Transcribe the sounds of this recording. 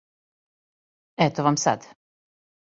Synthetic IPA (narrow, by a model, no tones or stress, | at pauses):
ɛt̪oʋamsa̰d̪